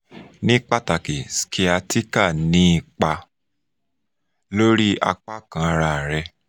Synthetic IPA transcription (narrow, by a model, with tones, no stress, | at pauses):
nĩ˦k͡pa˦˨ta˨ke˨skʰi˨˧a˧tʰi˦ka˦˨nĩ˦i˧k͡pa˧ | lo˦ɾi˦a̰˧k͡pa˦kã˧a˧ɾa˧˨ɾɛ˧